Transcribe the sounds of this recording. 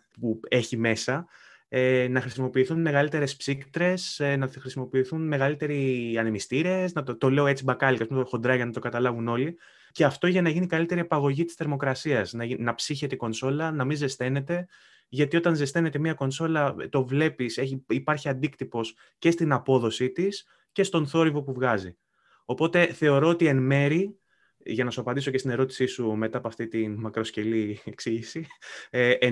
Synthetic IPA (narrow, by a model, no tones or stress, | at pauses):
pue̞çime̞sɐ | enɐxɾisimo̞piːθunme̞ɣɐlit̪e̞ɾe̞spsikt̪ɾe̞senɐxɾisimo̞piːθunme̞ɣɐlit̪e̞ɾiɐnemist̪iɾe̞znɐt̪t̪o̞le̞oe̞t͡sibɐkɐlicɐspumet̪oxond̪ɾɐʝɐnɐt̪o̞kɐt̪ɐlɐvuno̞li | ceɐft̪oʝɐnɐʝinikɐlit̪e̞ɾiepɐɣo̞ʝit̪ist̪e̞ɾmo̞kɾɐsiɐsnɐinɐpsiçe̞t̪eiko̞nso̞lɐnɐminze̞st̪e̞ne̞t̪e̞ | ʝɐt̪io̞t̪ɐnze̞st̪e̞ne̞t̪e̞miɐko̞nso̞lɐt̪o̞vle̞piseçipɐɾçiɐnd̪ikt̪ipo̞s | ce̞st̪inɐpo̞ðo̞sit̪is | ce̞st̪o̞nθo̞ɾivo̞puvɣɐzi | o̞po̞t̪e̞θe̞o̞ɾoot̪ie̞nme̞ɾi | ʝɐnɐsuɐpɐnd̪iso̞cet̪ine̞ɾo̞t̪i̥sisume̞t̪ɐpoɐft̪it̪inmɐkɾo̞sce̞lieksiʝisi